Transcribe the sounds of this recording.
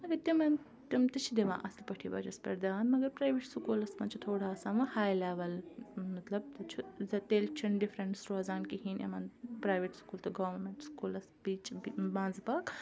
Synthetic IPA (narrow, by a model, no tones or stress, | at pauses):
mɐɡɐɾt̪imɐn | t̪imt̪ɐt͡ʃʰid̪eʋã̰ːʔɐst̪ipɐʈʰiːba̰d͡ʒɐspɐ̰ɾd̪aːnmɐɡɐɾpɾaːjʋeʈsukuːlɐsmɐnt͡ʃʰut̪ʰoːɽaːsãːʋɐhaːjlaːʋɐlmɐt̪lɐb̚t̪ɐt͡ʃʰuzɐt̪eːlt͡ʃʰunɖifɾeɳʈsɾoːzaːnkiɦiːnḛmɐːnpɾaːjʋeʈskuːlt̪ɐɡɐːɐɾmẽɳʈskuːlɐsbiːt͡ʃibãːnd͡zpaːk